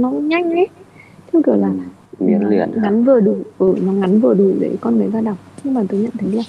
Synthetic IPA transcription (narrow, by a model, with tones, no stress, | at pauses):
nɔ˨˦˧ɲa˧jŋ̟ɛ˨˦t̪ʰi˧˦wki˨˧˩əwlaː˨˩ | ḭ˨˦nḭ˧˨ənŋa˨˦nvɨ˨˩əɗu˧˩ʔɨ˧˩nɔ˨˦ŋa˨˦nvɨ˨˩əɗu˧˩ɗḛ˧˩˦kɔ˧nmə˨˦jzaː˧ɗa˨˩wŋ͡m̚ɲɨ˧ŋmaː˨˩t̪o˨˧˦jɲə̰˧˨nt̪ʰjliaː˨˩